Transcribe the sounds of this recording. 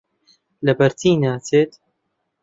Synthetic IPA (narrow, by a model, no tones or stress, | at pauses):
lɐbɐɾt̪iːnaːtʰeːt̪